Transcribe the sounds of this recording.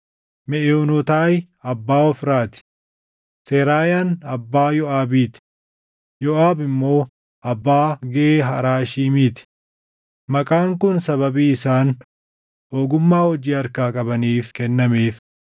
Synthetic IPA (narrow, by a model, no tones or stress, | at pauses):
mɛʔeʊnɔt̪aːj | ɐbːaːɔfɾaːt̪ɪ̥ | seːɾaːjaːnɐbːaːjɔʔaːbiːt̪ɪ̥ | jɔʔaːbɪmːo̞ː | ʔɐbːaːɡɛʔeːɦɐɾaːʃiːmiːt̪ɪ̥ | mɐkʼaːŋkʊnsɐβɐbiːɪsaːn | oːɡʊmːaːhɔd͡ʒiːɐɾkaːkʼɐbɐniːfkɛnːɐmeːf